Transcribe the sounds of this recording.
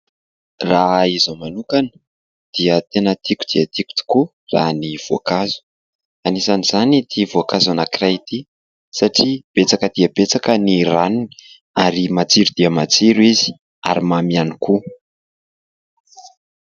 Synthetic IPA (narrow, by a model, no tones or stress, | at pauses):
raɦizomanukanə̥ | d̪̥iət̪enət̪iku̥d̪̥iət̪iku̥t̪i̥ku | ra̰niv̥oakazu̥ | anisanizanit̪ʰivoakazanakirat̪i | saʈ͡ʂib̥et͡sakəd̪̥iəbet͡sakəniranini̥ | aɾimat͡siɾud̪̥iəmat͡siɾuizi̥ | a̰ɾimamianiku